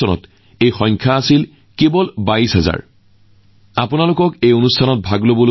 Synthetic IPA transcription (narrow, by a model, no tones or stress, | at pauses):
ɔnɔ̰t | ejxɔj̃ŋkʰaːsil | kebɔlbaisɦaza̰ɹ | apʊnalʊkɔkejonustʰanɔt̚bʱaɡlobolo